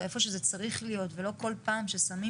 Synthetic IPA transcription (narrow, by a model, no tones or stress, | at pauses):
ʔefo̞ʃezet͡saʁiχlijo̞tvelo̞ko̞lpaːmʃe̞sami